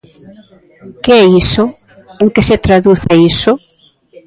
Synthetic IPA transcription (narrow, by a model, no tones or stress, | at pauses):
keɛiso | uŋkɪset̪ɾaðuθeiso